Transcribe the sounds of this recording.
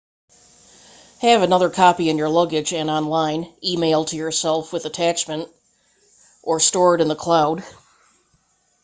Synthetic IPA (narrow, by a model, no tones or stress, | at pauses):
hɨvɨnʌðə˞kʰɑpiɨ̃njə˞lʌɡɨd͡ʒɨ̃nɑ̃nlãɪ̃nimeɪlˠtʰɨjə˞sɛlˠfwɨðɨtʰæt͡ʃmɨ̃nt | ʔə˞stɔɹɾɨ̃nðəkʰl̥aʊd